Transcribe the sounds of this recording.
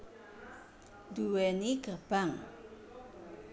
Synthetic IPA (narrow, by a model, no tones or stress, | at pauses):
d̪uwɛniɡərb̥aŋ